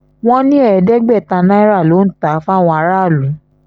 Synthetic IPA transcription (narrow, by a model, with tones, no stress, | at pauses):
w̃ɔ̃˦nĩ˦ɛ˦˨dɛ˦ɡ͡bɛ˦˨tã˧nã˦i˦ɾa˦˨lo˨˦n̩˦˨ta˨˦fa˦˨w̃ɔ̃˧a˧˦ɾa˦˨lũ˨˦